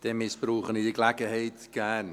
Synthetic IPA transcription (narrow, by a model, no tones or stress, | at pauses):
d̥ɛmɪsb̥ɾuːχənidiɡlakəhejtɡ̥an